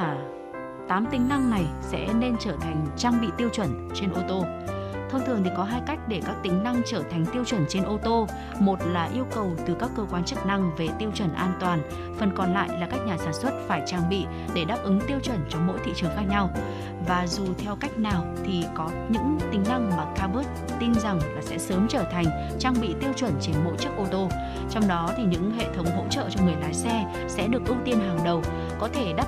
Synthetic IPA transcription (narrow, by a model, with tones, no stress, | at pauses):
t̪aː˨˦mt̪ï˨˦ŋ̟na˧ŋna˨˩jsɛ̰˧˥ne˧nt͡ɕəː˧˩t̪ʰa˨˩jŋ̟t͡ɕaː˧ŋɓḭ˧˨t̪i˧əwt͡ɕwə˧˩nt͡ɕe˧nʔo˧t̪o˧ | t̪ʰə˧wŋ͡mt̪ʰɨ˨˩əŋt̪ʰi˨˩kɔ˨˦ɦaː˧jka˦˥jk̟̚ɗe˧˩kaː˦˥k̚t̪ï˨˦ŋ̟na˧ŋt͡ɕəː˧˩t̪ʰa˨˩ŋ̟t̪i˧əwt͡ɕwə˧˩nt͡ɕe˧nʔo˧t̪o˧ | mo˨˩t̚laː˨˩ʔi˧əwkə˨˩wt̪ɨ˨˩kaː˦˥kːəː˧kwaː˧nt͡ɕɨ˦˥k̚na˧ŋve˨˩t̪i˧əwt͡ɕwə˧˩nʔaː˧nt̪waː˨˩n | fə˨˩nkɔ˨˩nla̰ː˧˨jlaː˨˩kaː˦˥k̚ɲaː˨˩saː˧˩nswə˦˥t̚faː˧˩jt͡ɕaː˧ŋɓḭ˧˨ | ɗe˧˩ɗaː˦˥p̚ʔɨ˨˦ŋt̪i˧əwt͡ɕwə˧˩nt͡ɕɔ˧ŋ͡mmo̰˧˥jt̪ḭ˧˨t͡ɕɨ˨˩əŋxaː˦˥k̚ɲa˧w | vaː˨˩zu˨˩t̪ʰɛ˧wka˦˥jk̟̚naː˨˩wt̪ʰi˨˩kɔ˨˦ɲɨ̰˧˥ŋt̪ï˨˦ŋ̟na˧ŋmaː˨˩kaː˧ɓu˦˥t̚ | t̪i˧nza˨˩ŋlaː˨˩sɛ̰˧˥səː˨˦mt͡ɕəː˧˩t̪ʰa˨˩jŋ̟ | t͡ɕaː˧ŋɓḭ˧˨t̪i˧əwt͡ɕwə˧˩nt͡ɕe˧nmo̰˧˥jt͡ɕɨ˦˥ək̚ʔo˧t̪o˧ | t͡ɕɔ˧wŋ͡mɗɔ˨˦t̪ʰi˨˩ɲɨ̰˧˥ŋɦḛ˧˨t̪ʰə˨˦wŋ͡mɦo̰˧˥t͡ɕə̰ː˧˨t͡ɕɔ˧ŋɨ˨˩əjlaː˨˦jsɛ˧ | sɛ̰˧˥ɗɨ˨˩ək̚ʔʊ˦˥k̚t̪i˧ənɦaː˨˩ŋɗə˨˩w | kɔ˨˦t̪ʰe˧˩ɗaː˦˥